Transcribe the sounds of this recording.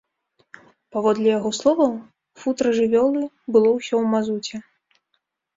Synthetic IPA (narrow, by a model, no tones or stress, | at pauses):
pavɔd̪lʲɛjaɣɔslˠɔvɐ | fut̪ɾɐʐɨvʲɔlˠɨ | bɨlˠɔwsʲɔwmazut͡sʲɛ